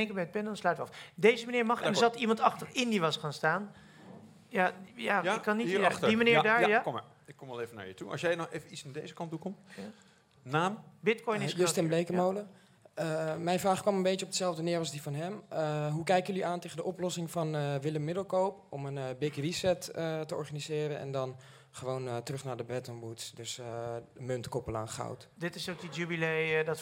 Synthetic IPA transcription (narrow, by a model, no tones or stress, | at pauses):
ɛŋkəbɛjət̚bɛndɔnslœɥtəʋəɑfdejzəmaniːɹmɑχɛndzɑtimɑntɑχtərɪndiʋɑsχaːnstaːn | jajajɪkːɑnːitdimanɪːɹdaːjakɔm̰ | ɪkːɔmʋɛlˠeːvəna̰ːɹjətuɑ̰sjɛjnɔxeːvənisnadejzəkɑntukɔmt | naːmbɪtkɔjnɪjəstɛmblejkəmowlə | əmɛjnfraːχkʋɑmənbejtjəɔpdəsɛlˠvdənɪːrlˠsdifɔnɦɛməɦukɛjkəjəliʔaːnteːɣəndəʔɔplɔsɪŋfɔnʋɪləmːɪdəlˠkowpɔmənbɪkrisɛtətəɔ̰ɹχanizɪːɾənɛ̰ndɔn | χəʋoːntərøχnaːdəbrɛtənbutsdøsəmøntkɔpəla̰ːnχa̰wtdɪtɪsokəjybilejdɔt